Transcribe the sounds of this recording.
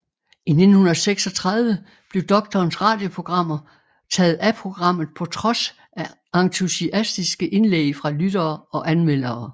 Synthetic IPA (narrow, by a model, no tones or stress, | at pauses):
ined̥n̩hunɐðˠseɡ̥sɒ̽t͡sʰʁɑaðˠʋə | b̥le̝ʊd̥ɒ̽ɡ̥̚t͡sʰɒːnsʁɑ̰̈ːd̥jo̝pʰʁo̝ɡ̥ʁɑ̈m̰ɐ | t͡sʰɛːð̞̩ˠæpʰʁo̝ɡ̥ʁɑ̈m̰ð̞̩ˠpʰɒ̽t͡sʰʁɒ̽s | æ | ɑ̈ŋt͡sʰusiʔæsd̥isɡ̥əʔe̝nlḛɪfʁɑ̈lyd̥ɐːɒ̽ʔænmel̰ɐː